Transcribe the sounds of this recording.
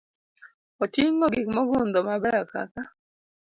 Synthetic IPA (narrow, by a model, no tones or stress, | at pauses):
ɔtiŋɔɡɪkmɔɡʊnd̪ɔmabɛaka̰ka